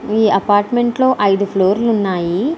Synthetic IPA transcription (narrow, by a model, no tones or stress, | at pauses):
iːɐpaːɾʈme̞ɳʈlo̞ːʔɐjd̪upʰlo̞ːɾlunːaːji